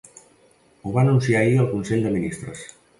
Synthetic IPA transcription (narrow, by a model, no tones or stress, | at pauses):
uβanunsiaiəlˠkunseʎd̪əminist̪ɾəs